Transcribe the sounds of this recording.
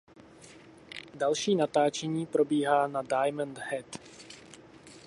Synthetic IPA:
dalʃiːnat̪aːt͡ʃɛɲiːpɾo̞biːɦaːnadajmənd̪hɛt̪

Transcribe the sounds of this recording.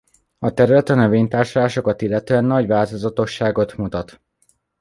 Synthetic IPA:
ɒt̪ɛɾylɛt̪ɒnø̞veːɲt̪aːrʃolaːʃo̞kɒt̪ilːɛt̪øɛnːɒɟʋaːlt̪o̞zɒt̪o̞ʃːaːɡo̞t̪mut̪ɒt̪

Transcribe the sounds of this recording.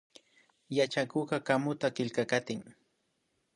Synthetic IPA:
jat͡ʃakoɢɑkamʊt̪akɪlkakat̪ɪŋ

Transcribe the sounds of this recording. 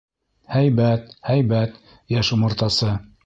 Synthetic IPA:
hæjbæt̪hæjbæt̪ | jæʃumŏɾt̪ɑsɤ

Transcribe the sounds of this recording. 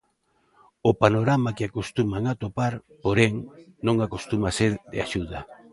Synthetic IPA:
opanoɾamakɪakost̪umaŋat̪opaɾpoɾeŋnõŋakost̪umaseɾd̪ɪ̰aʃuðɐ

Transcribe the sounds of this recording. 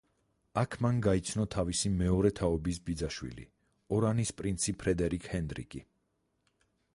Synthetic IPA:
akʰmanɡait̪sʰnɔt̪ʰavisimɛɔɾɛt̪ʰaɔbis̬bid̪zaʃwḭlḭ | ɔɾanispʼɾint̪sʰipʰɾɛd̪ɛɾikʰhɛnd̪ɾḭkʼi

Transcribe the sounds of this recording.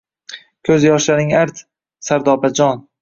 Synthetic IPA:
kʲʰɵzjɒʃlaɾɪŋaɾt̪ | saɾd̪ɒbad͡ʒɒn

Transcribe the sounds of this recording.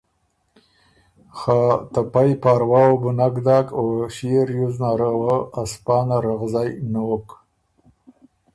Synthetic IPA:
xat̪apajpaɾwɑobʊnakd̪aːkoʃiɾjuznaɾawəaspɑːnaɾaɣzajnok

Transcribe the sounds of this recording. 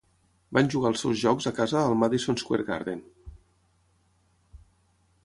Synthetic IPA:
banʒuɣaəlˠsɛwzʒɔkzəkazəðəlˠmaðisonskwḛɾɣa̰ɾðen

